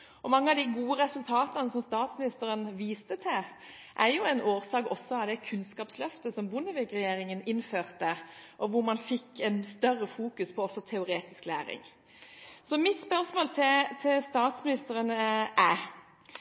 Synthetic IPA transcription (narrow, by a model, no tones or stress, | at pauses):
ʔɔmɑŋːəɑʋd̪ɪɡuːəɾɛsʉlt̪ʰɑːt̪ɑnəsɔmst̪ɑːt̪smɪnɪst̪əʁənʋiːst̪ət̪ʰɛ | ʔæɾjʊɛɪnʔoːʁsɑːɡɔsːɔɑʋd̪ɛkʰʉnskɑːpslœft̪əsɔmbʊnːəʋɪkʁɛjeːɾɪŋənɪnføːʁt̪əʔɔʋʊɾmɑnfɪkːɛnst̪œrːəfuːkʉspʰɔɔsːɔt̪ʰɛʊɾeːt̪ɪsklæːɾɪ̰ŋ | sɔmɪt̪spœʁsmoːlt̪ʰɪt̪ʰɪlst̪ɑːt̪smɪnɪst̪əɾənəæ